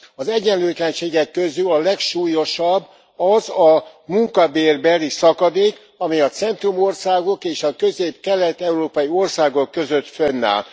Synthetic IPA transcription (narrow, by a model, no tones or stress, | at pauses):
ɒzɛɟːɛnløːt̪lɛnʃeːɡɛkːø̞zylɒlɛkʃuːjo̞ʃɒbː | ɒzɒmuŋkɒbeːrbɛlisɒkɒd̪eːk | ɒmijɒt̪sɛnt̪rumo̞rsaːɡo̞keːʃɒkøzeːpkɛlɛt̪ɛuɾoːpɒjio̞rsaːɡo̞kːø̞zøt̪fønːa̰ːl